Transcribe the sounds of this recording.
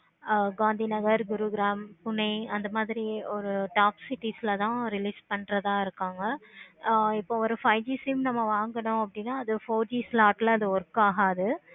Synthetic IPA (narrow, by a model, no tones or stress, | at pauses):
ɡaːnd̪inɐɣɐɾɡʊɾuɡɪɾaːmpʊnɐɪɐnd̪ɐmaːðɪɾiɔɾɯʈaːpsɪʈisɪlɐt̪ãːɾɪliːspɐɳɾɐt̪ãːɪɾɯkːaːŋɡɐ | ɪpːoːɔɾɯfɐɪd͡ʒiːsimnɐmːɐʋaːŋɡɐɳʊ̃ɐpːɐɽɪnːaːɐðɯfoːɾd͡ʒiːslaːʈɪlɐðɯɔɾɯkːaːɣaːɐðɯ